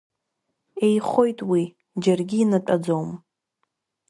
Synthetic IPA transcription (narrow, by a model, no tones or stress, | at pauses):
e̞jχo̞jtʼwi | d͡ʒarɡʲiːnatʼad͡zowm